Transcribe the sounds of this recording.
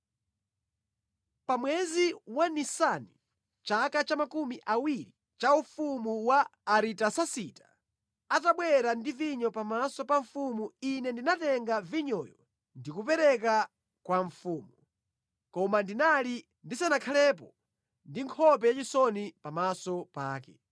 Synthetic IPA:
pamwɛziwanisani | t͡ʃakat͡ʃamakumiʔawiɾi | t͡ʃaufumuwaːɾitasasitḁ | ataɓwɛɾandiviɲɔpamasɔpaɱfumuinɛndinatɛŋɡaviɲɔjɔ | ndikup̬ɛɾɛka | kwaɱfuːmu | kɔmandinali | ndisanakʰalɛp̬ɔ | ndiŋkʰɔp̬ɛjat͡ʃisɔnipamasɔpa̰ːkɛ

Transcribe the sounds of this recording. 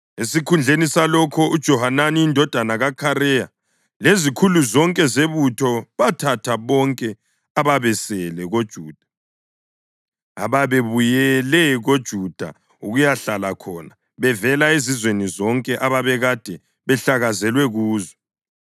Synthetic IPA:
esikʰund͡ɮʱenisalɔkʰɔud̥ʒ̥ʱɔhananiindʱɔd̥ʱanaɣakʰaɾɛja | lezikʰuluzɔŋkʼɛzeβutʰɔβatʰatʰaβɔŋkʼɛ | aβaβɛsɛlɛɣod̥ʒ̥ʱuːd̥ʱḁ | aβaβeβujɛlɛɣod̥ʒ̥ʱud̥ʱa̰ | uɣujaɬalakʰɔna | βɛvɛlaezizwenizɔŋkʼɛʔaβaβɛɣad̥ʱɛ | βɛɬaɣazɛlwɛɣuːzwɛ

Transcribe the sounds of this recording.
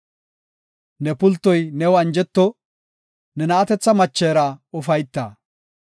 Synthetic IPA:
nɛpʊlt̪ːɔjnɛwɐnd͡ʒɛt̪ːɔ | nɛnɐːt̪ɛt͡sːɐmɐt͡ʃːeːɾɐʊfɐjt̪ːɐ̰ː

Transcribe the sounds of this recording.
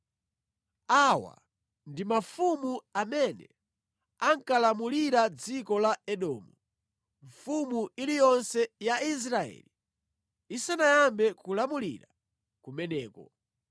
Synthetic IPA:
awa̰ | ndimafumuamɛnɛ̰ | aŋkalamuliɾad͡zikɔlaɛɗɔːmu | ɱfumuʔilijɔnsɛjais̬ɾaɛ̰li | isanajambɛkulamulḭɾa | kumɛnɛːkɔ̰

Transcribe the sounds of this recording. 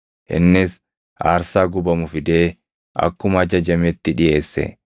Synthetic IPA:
ʔɪ̰nːɪs | ʔaːɾsaːɡʊbɐmʊfɪd̪e̞ː | ʔɐ̰kːʊmɐːd͡ʒɐd͡ʒɐmɛt̪ːɪᶑɪjʔe̞ːsːɛ̰

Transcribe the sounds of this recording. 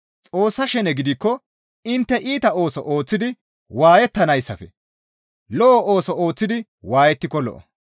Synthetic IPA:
t͡sʼo̞ːsːɐʃɛnɛɡɪd̪ɪkːɔ | ɪnt̪ːɛʔiːt̪ɐoːsɔʔo̞ːt͡sːɪd̪ɪ | waːjɛt̪ːɐnɐjsːɐfɛ | lɔʔɔʔoːsɔo̞ːt͡sːɪd̪ɪ | waːjɛt̪ːɪkːɔlɔ̰ʔɔ̰

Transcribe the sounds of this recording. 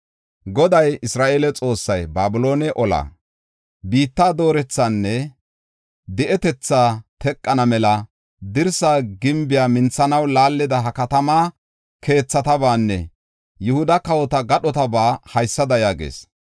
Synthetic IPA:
ɡɔd̪ɐjɪsɾaːʔeːlɛt͡sʼo̞ːsːɐjbaːbʊlo̞ːnɛʔɔla̰ | biːt̪ːaːd̪o̞ːɾɛt͡sːanːɛ | d̪ɛʔɛt̪ɛt͡sːaːt̪ɛkʼːɐnɐmɛlɐ | d̪ɪɾsaːɡɪmbɪjaːmɪnt͡sːɐnɐwlaːlːɪd̪ɐɦɐkɐt̪ɐmaː | kʰe̞ːt͡sːɐt̪ɐbaːnːɛ̰ | jʊhʊd̪ɐkɐwɔt̪ɐɡɐɗɔt̪ɐbaːhɐjsːɐd̪ɐjaːɡḛːs

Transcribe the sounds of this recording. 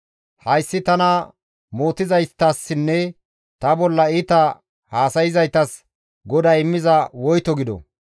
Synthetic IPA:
hɐjsːɪt̪ɐnɐ | moːt̪ɪzɐjt̪ːɐsːɪnːɛ | t̪ɐbɔlːɐɪt̪ɐ | haːsɐjɪzɐjt̪ɐs | ɡɔd̪ɐjɪmːɪzɐwɔjt̪ɔɡɪd̪ɔ̰

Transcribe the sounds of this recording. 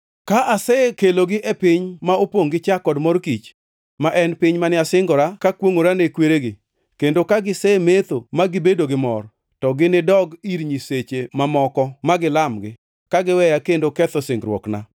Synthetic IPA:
kaʔasɛkeloɡɪʔɛpɪɲmaopwoŋɡɪt͡ʃakɔdmɔɾkit͡ʃ | maʔɛnpɪɲmanɪasɪŋɡɔɾakakwoŋoɾanekweɾeɡɪ | kendokaɡɪsɛmet̪omaɡɪbedoɡɪmɔr | tɔɡɪnɪdɔɡiɾɲiset͡ʃemamɔkɔmaɡɪlamɡɪ | kaɡɪwɛjakendokɛt̪ɔsɪŋɡɾwɔ̰kna̰

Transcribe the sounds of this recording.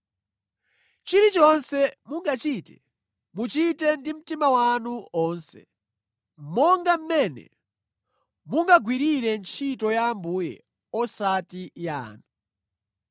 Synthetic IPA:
t͡ʃiɾit͡ʃɔnsɛmuŋɡat͡ʃitɛ | mut͡ʃitɛndim̩timawanuɔːnsɛ̰ | m̩mɔŋɡam̩mɛnɛ̰ | muŋɡaɡwiɾiɾɛnt͡ʃʰitɔjambuːjɛ̰ | ɔsatija̰ːna

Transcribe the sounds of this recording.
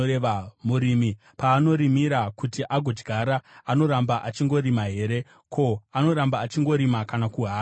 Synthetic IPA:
eamuɾiːmi | paːno̞ɾimiɾakutiʔaɡʱo̞d͡ʒɡʱaɾaano̞ɾambaʔat͡ʃiŋɡo̞ɾimaɦe̞ːɾe̞ | kʰo̞ano̞ɾambaːt͡ʃiŋɡo̞ɾimakanakuɦaː

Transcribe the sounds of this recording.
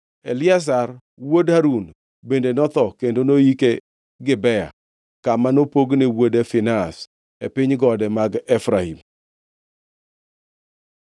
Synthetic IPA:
elɪas̬ar | wodaɾun | bendenɔt̪ɔkendonoike | ɡɪbɛja̰ | kamanopoɡnɪwodefɪnas | epɪɲɡɔdɛmaɡɛfɾahḭm

